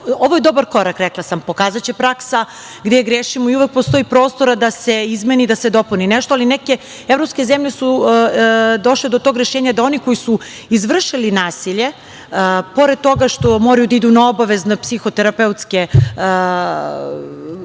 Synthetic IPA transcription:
oʋojed̪o̞baɾko̞ɾakɾɛklasampo̞kaːzat͡ɕepɾaksa | ɡd̪eɡɾeːʃimoiuʋek̚post̪o̞jipɾo̞ːst̪o̞ɾad̪ase̞izmeniːd̪ased̪o̞puninɛʃt̪oalineke̞ | evɾopske̞zemʎe̞su | d̪o̞ʃled̪ot̪o̞ɡɾeʃeːɲad̪ao̞niko̞jisu | izʋr̩ʃilinaːsiʎe̞ | po̞ɾed̪̚t̪o̞ɡaʃt̪o̞mo̞ɾajud̪aid̪unao̞baʋe̞znapsixot̪eɾapeut̪ske

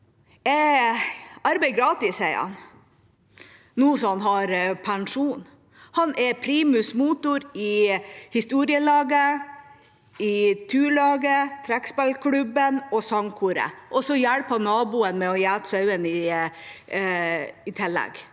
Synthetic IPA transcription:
ɛ | ɑɾbɛɪɡɾɑːt̪ɪsæɪɑ̰n | nuːsɔɑnɦɑɾpʰæŋʂuːn | hɑnɛɾpʰɾiːmʉsmuːt̪ʊɾɪhɪst̪uːɾɪəlɑːɡə | ɪt̪ʰʉːɭɑːɡət̪ʰɾækspælkʰɽʉbənɔsɑŋkʰuːɾə̰ʔɔsɔjælpɑnɑːbuːənmɛɔjæːt̪sɑʉənɪ | ɪt̪ʰɪlːɛ̰ɡ

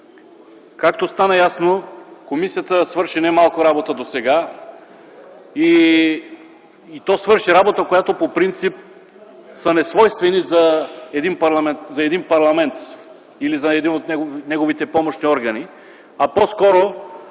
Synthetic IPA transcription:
kakt̪ost̪anɐjasnokomisijət̪əsvɤɾʃinɛmalˠkoɾabot̪əd̪osɛɡa | i | t̪ɔsvɤɾʃiɾabot̪əkojat̪opopɾint̪sip̚ | sənɛsvɔjst̪vɛnizɐɛd̪inpɐɾlˠɐmɛnt̪zɐɛd̪inpɐɾlˠɐmɛnt̪ | ilizɐɛd̪inot̪nɛɡonɛɡovit̪ɛpɔmoʃniɔɾɡɐni | ɐposkɔɾo

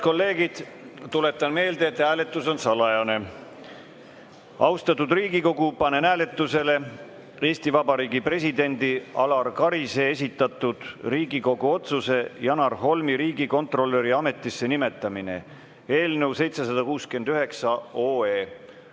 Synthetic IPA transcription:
ko̞lːe̞ːɡid̪̥ | t̪ːule̞t̪ːˑɑnme̞ːld̪e̞ːt̪æːle̞t̪ːˑuso̞nsɑlɑjɑne̞ | ɑwst̪ɑt̪ːud̪̥riːɡiko̞ɡupɑne̞næːle̞t̪ːˑuse̞le̞ | e̞ːsʲt̪ivɑbɑɾiːɡipre̞sʲid̪e̞nʲd̪iɑlɑrkɑɾise̞es̬ʲit̪ːˑɑt̪ːˑud̪̥riːɡiko̞ɡuo̞t̪suse̞jɑnɑrɦo̞lmiɾiːɡiko̞nt̪ˑro̞lːe̞ɾiɑme̞t̪ːˑisːe̞nime̞t̪ˑːɑmine̞̰ | e̞ːlne̞wse̞jt̪se̞sɑd̪̥ɑkuːskye̞nd̪̥yɦe̞ksɑoːeː

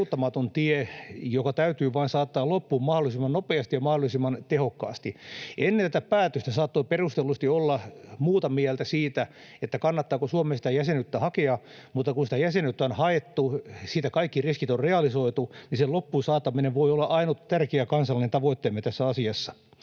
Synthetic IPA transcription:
ut̪ːɑmɑt̪ont̪iejokɑt̪æyt̪yːʋɑinsɑːt̪ːɑːlopːuːmmɑholˑisimːɑnnopeɑst̪ijɑmɑhdolisimːɑnt̪ehokːɑ̰ːst̪ienːent̪æt̪æpæːt̪øst̪æsɑːt̪ːoːperust̪elːust̪iolːɑmuːt̪ɑmiɛlt̪æsiːt̪æ | et̪ːækɑnːɑt̪ːɑːkosuomesi̥t̪æjæsenyt̪ːæhɑkeɑmut̪ːɑkunsit̪æjæsenyt̪ːæonhɑet̪ːusiːt̪ækɑikːiriskit̪orreɑlisoit̪uniselopːusɑːt̪ɑmineʋʋoiolːɑʔɑinutt̪ærkeækɑnsɑlːinent̪ɑʋoit̪ːeːmet̪æsːæɑsiɑsːɑ̥

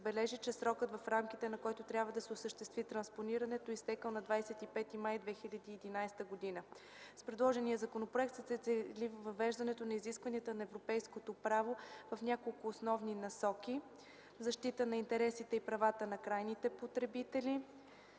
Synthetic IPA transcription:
zbɛlɛʒit͡ʃɛsɾɔkət̪vɐfɾamkit̪ɛnɐkɔjt̪ot̪ɾʲabvəd̪ɐsɛʊsəʃt̪ɛst̪vit̪ɾɐnsponiɾɐnɛt̪oist̪ɛkəlˠnɐd̪vajsɛt̪ipɛt̪imajd̪vɛxilʲɐd̪iːɛd̪inajst̪əɡod̪inə | spɾɛd̪lˠɔʒɛnijəzɐkonopɾoɛk̚t̪sət̪sɛt̪sɛlivvɐvɛʒd̪ɐnɛt̪onɐiziskvɐniət̪ənɐɛvɾopɛjskot̪opɾavovɐfnʲakolˠkʊːsnɔvninɐsɔki | zɐʃt̪it̪ənɐint̪ɛɾɛsit̪ɛipɾɐvat̪ənɐkɾajnit̪ɛpot̪ɾɛbit̪ɛlʲi

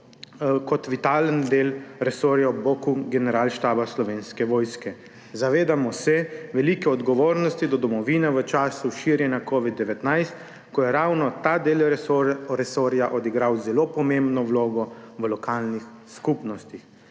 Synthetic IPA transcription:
kɔt̪ʋit̪aːlənd̪eːlɾɛsoːɾjaɔbokuɡɛnɛɾaːlʃt̪aːbaslɔʋeːnskɛʋɔːjskɛ | zaʋeːd̪amɔsɛʋɛlikɛɔd̪ɡɔʋoːɾnɔst̪id̪ɔd̪ɔmɔʋinɛʋət͡ʃaːsuʃiːɾjɛnjakɔʋid̪ːɛʋɛt̪najst̪ | kɔjɛɾawnɔt̪aːd̪eːl | ɾɛsoːɾjaʔɔd̪iɡɾawzɛlopɔmembnɔwloːɡɔʋəlɔkaːlnix | skupnɔst̪ix

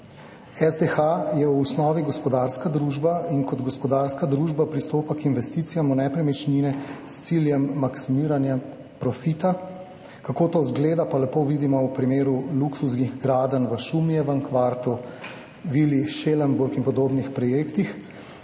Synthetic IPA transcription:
ɛzd̪exajɛwːsnɔːʋiɡɔspɔd̪aːɾskad̪ɾuːʒbainkɔd̪ɡɔspɔd̪aːɾskad̪ɾuʒbapɾist̪oːpakinʋɛst̪iːt̪sijamunɛpɾɛmɛt͡ʃninɛst̪siljɛmːaksimiːɾanja | pɾɔfit̪a | kakoːt̪oːzɡleːd̪apalɛpoʋid̪imɔwpɾimeːɾuluksusɡiɣɡɾaːd̪ənʋəʃumijɛʋəŋkʋaːɾt̪u | ʋiliʃeləmbuɾkinpɔd̪oːbnixpɾɔjeːkt̪ix

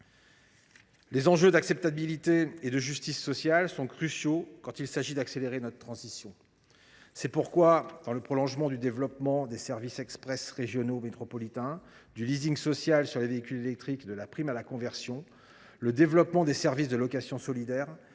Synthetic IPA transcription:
lezɑ̃ʒød̪aksɛp̚t̪abilit̪eed̪əʒyst̪isːɔsjalsɔ̃kχysjokɑ̃t̪ilsaʒid̪akseleʁenɔt̪ət̪χɑ̃zisjɔ̃ | sɛpuʁkwad̪̥ɑ̃ləpχɔlɔ̃ʒmɑ̃d̪yd̪evlɔpmɑ̃d̪esɛʁvisɛkspχɛsʁeʒjɔnomet̪χɔpɔlit̪ɛ̃ | d̪yliziŋɡsɔsjalsyʁleveikʲylelɛk̚t̪χikd̪əlapχimalakɔ̃vɛʁsjɔ̃ | ləd̪evlɔpmɑ̃d̪esɛʁvisd̪əlɔkasjɔ̃sɔlid̪ɛːʁ

